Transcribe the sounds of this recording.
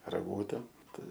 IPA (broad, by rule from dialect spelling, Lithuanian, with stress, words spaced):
rɐˈɡuːtʲɛm ˈtɐɪ